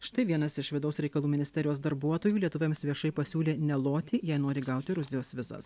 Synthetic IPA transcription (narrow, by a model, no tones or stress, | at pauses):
ʃt̪ɐɪʋʲiɛnɐsɪʃʋʲɪd̪ɐʊsɾʲɛɪkɐlˠuːmʲɪnʲɪsʲt̪ʲɛɾʲɪjoːsd̪ɐɾbuɔt̪oːjuːlʲiɛt̪ʊʋʲɛmsʋʲiɛʃɐɪpɐsʲuːlʲeːnʲɛlˠoːt̪ʲiːjɛɪnoːɾʲɪɡɐˑʊt̪ʲɪɾʊzʲɪjoːsʋʲɪzɐ̰s